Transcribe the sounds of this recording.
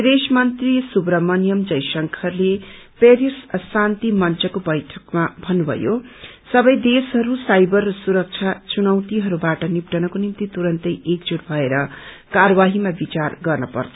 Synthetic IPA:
ed̪esmʌnt̪risubɾʌmʌnijʌmd͡zʌjsʌŋkʰʌrle | peɾissant̪imʌnt͡sʌkobʌjʈʰʌkmabʱʌnːubʱʌ̰jo | sʌbʌjd̪esɦʌɾusajbʌrːʌsuɾʌk̚t͡sʰat͡sunʌwt̪iɦʌɾubaʈʌnip̚ʈʌnʌkonimt̪it̪uɾʌnt̪ʌjʔekd͡zuɽbʱʌeɾʌ | kaɾʌwaɦimabit͡sarɡʌrnʌpʌ̰rt͡s̪ʰʌ

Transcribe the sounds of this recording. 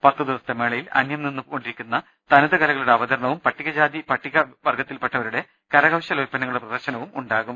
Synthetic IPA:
pɐt̪ːɨd̪iʋɐst̪emeːɭɐjilɐ̰njɐmninːuko̞ɳɖiɾikʲːunːɐ | t̪ɐnuðɐɣɐlɐɣɐɭuɽeɐbɐd̪ɐɾɳɐʋumpɐʈːiɣɐd͡ʑaːd̪ipɐʈːiɣɐʋɐrɡɐt̪ːilpeʈːɐʋɐɾuɽe̞ | kɐɾɐɣɐwɕɐlojpːɐnːɐŋːɐɭuɽeprɐd̪ɐrɕɐnɐʋumuɳɖaːɣum

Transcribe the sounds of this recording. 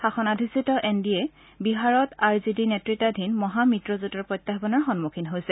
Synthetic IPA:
xaxɔnadʱisitɔʔendiɛ | biɦaɹɔtaɹzidinetɹitadʱinmɔɦamitɹɔzutɔɹpɹɔjtːaxbɔnɔɹxɔnmukʰinɦojsɛ

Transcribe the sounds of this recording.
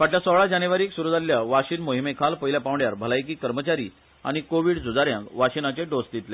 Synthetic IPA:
ʋaʈljasəɭad͡ʑaneʋaɾiːksuɾud͡zaɾlːjaʋaɕiːnmoɦimekʰalpəɦjljapãʋɳjaɾbʱəlajk̬iːkəɾmət͡ɕaɾḭː | a̰ɽ̃ikoʋiːɽd͡zʱud͡zaɾjãŋkʋaɕinat͡ɕeɖosd̪it̪le

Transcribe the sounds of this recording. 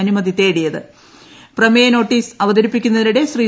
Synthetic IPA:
ɐnumɐðit̪ːe̞ːɽijɐðɨ | prɐmɐjɐno̞ːʈːiːsɐʋɐðɐɾipːikʲːunːɐðinuɽe̞ɕriː

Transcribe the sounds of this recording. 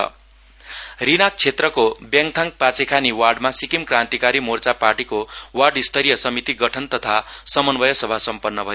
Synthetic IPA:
ʌ̰ | rinak̚t͡sʰet̪rʌkobjaŋt̪ʰãŋk̚pat͡sekʰaniwarɖmasikimkrãnt̪ikaɾimort͡saparʈikowarɖist̪ʰʌɾijʌsʌmit̪iɡʌʈʰʌnt̪ʌt̪ʰasʌmʌnbʌjʌsʌbʱasʌmpʌnːʌbʱʌ

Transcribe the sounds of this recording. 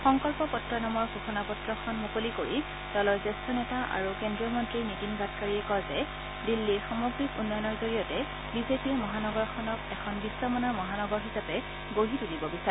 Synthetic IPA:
xɔŋkɔlpɔpɔtɹɔnɔmɔɹɡʱoxɔnapɔtɹɔxʰɔnmukolikoɹi | tɔlɔjzɛstɔnɛtaʔa̰ɹukendɹiɔmɔntɹinitinbatkaɹiɛkɔzɛ | dilːixɔmoɡɹikunːɔjnɔɹzoɹijɔtɛ | bizepimɔɦanɔɡɔɹxʰɔnɔkɛkʰɔnbisɔmɔnamɔɦanɔɡɔɹɦisapɛ | ɡoɦitudibɔbisaɛ

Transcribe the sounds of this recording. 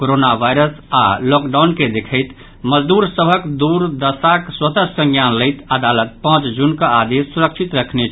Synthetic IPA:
koɾonabajɾəsa̰lɔkɖawnked̪ekʰəjt̪ | məd͡ʒd̪uɾsəbʱəkd̪uɾd̪əsakswət̪əsə̃ŋɡjanləɪt̪əd̪alət̪̚pãt͡ʃd͡ʒunkəad̪esːuɾəkt͡ʃʰit̪ɾəkʰnet͡ʃʰ

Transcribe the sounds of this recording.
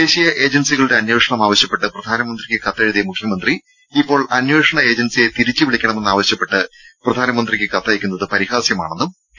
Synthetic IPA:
d̪e̞ːɕijɐʔe̞ːd͡ʑɐnsiɣɐɭuɽe̞ɐnjoːʂɐɳɐmaːʋɐɕjɐpːe̞ʈːɨprɐd̪ʱaːnɐmɐnd̪rikʲːɨkɐt̪ːeɻuðimukʰjɐmɐnd̪ri | ipːo̞ːɭɐnjoːʂɐɳɐe̞ːd͡ʑɐnsije̞t̪iɾit͡ɕːɨʋiɭikʲːɐɳɐmenːaːʋɐɕjɐpːe̞ʈːɨprɐd̪ʱaːnɐmɐnd̪rikʲːɨkɐt̪ːaːjikʲːunːɐðɨpɐɾihaːsjɐma̰ːɳe̞nːum

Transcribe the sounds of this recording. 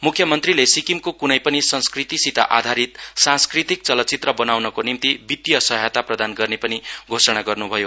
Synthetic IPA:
mukʰjʌmʌnt̪rilesikimkokunʌjpʌnisʌ̃nskrit̪isit̪a̰ʔad̪ʱaɾit̪sãnskrit̪ik̚t͡sʌlʌt͡sit̪rʌbʌnawnʌkonimt̪ibit̪jʌsʌɦjat̪aprʌd̪anɡʌrnepʌniɡʱosʌɽ̃aɡʌrnubʱʌjo

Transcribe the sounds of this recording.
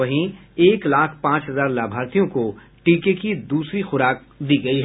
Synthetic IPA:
ɐɦĩeːklaːkʰpãːt͡ʃɦɐzaːɾlaːbʱaːɾt̪ijõko | ʈiːkekid̪uːsɾixʊɾaːk̚ | d̪iːɡɐiɦɛ

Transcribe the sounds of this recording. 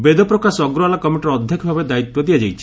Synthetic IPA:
bed̪ɔpɾɔkasɔɔɡɾɔalakɔmeʈɾɔd̪ʱjɔkʰɔbʱabed̪ait̪wɔd̪iad͡ʒajt͡ʃʰi̥

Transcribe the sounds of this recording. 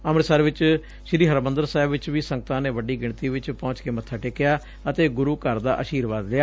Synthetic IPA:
əmɾsəɾʋɪt͡ʃ | ʃɪɾiːɦəɾmənd̪əɾsɛːɪbʋɪt͡ʃʋiːsə̃ŋɡ̚t̪ãːneːʋəɖiːɡɪɳt̪iːʋɪt͡ʃpɔ̃ːt͡ʃkeːmət̪ʰːaːʈɪkːɪjaː | ət̪eːɡʊɾuːkəɾd̪a̰ːʔəʃiːɾʋaːd̪lɪjaː

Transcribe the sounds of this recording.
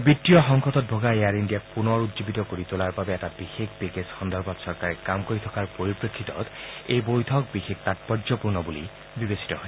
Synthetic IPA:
bitːijɔxɔŋkɔtɔt̚bʱɔɡaeaɹindijapunɔɹutzobitɔkoɹitolaɹbabɛɛtabixekʰbekesxɔnd̪ɔɹbɔtsɔɹkaɹɛkamkoɹitʰɔkaɹpoɹipɹekʰːitɔ̰tejbojtʰɔk̚bixek̚tatpɔzɔpuɹnɔbulḭ | bibesi̥tɔɦɔ

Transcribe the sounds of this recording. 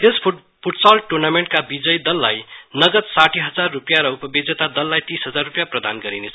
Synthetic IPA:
es | pʰuʈsalʈurnameɳʈ̚kabid͡zʌjd̪ʌlːajnʌɡʌt̪saʈʰiɦʌd͡zarːupjaɾʌupʌbiɡd͡zʌt̪ad̪ʌlːajt̪ĩsɦʌd͡zarːupjaprʌd̪anɡʌɾinet͡sʰʌ

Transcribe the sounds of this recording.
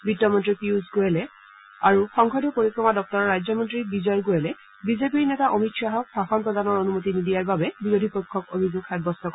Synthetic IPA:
bitːɔmɔntɹipiuzɡojɛlɛ | aɹuxɔŋkʰɔdʱɔpoɹikɹɔmadɔk̚tɔɹɔɹajzɔmɔntɹibizɔjɡojɛlɛ | bizepiɹnɛtaʔomitʃaɦɔk̚bʱaxɔnpɹɔdanɔɹonumotinidijaɹbabɛbiɹodʱipojkʰːɔkobʱizuɡxad̚bɔstɔk

